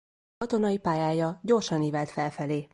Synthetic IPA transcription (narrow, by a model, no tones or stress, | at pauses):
ɒt̪o̞nɒipaːjaːjɒɟo̞rʃɒniːvɛlt̪fɛlfɛleː